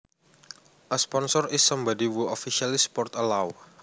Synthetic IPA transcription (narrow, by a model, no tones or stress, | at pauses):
ʔəspɔnsɔrisːɔmbɔdiwuɔfiʃialispɔrt̪əlaw